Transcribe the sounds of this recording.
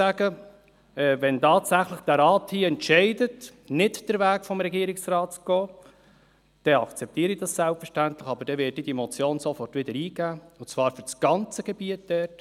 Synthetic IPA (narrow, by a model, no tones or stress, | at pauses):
æɡə | ɛːvɛntɑːtsæχləχd̥æɾɑːthiːəɛntʃɛɪdət | nɪtd̥əɾvæːkfɔmɾɛɡiːɾɪksrɑːtt͡sɡ̥oː | d̥ɛɑkt͡sɛp̚tiːəɾidɑssælpfəɾʃtæntləχɑbəɾd̥ɛvɪtid̥imɔt͡sjoːnsɔfɔrtʋɪd̥əɾiːɡæːʊt͡svɑːɾfʏt͡sɡ̥ɑnt͡səɡ̥ɛbiət̚d̥ɛt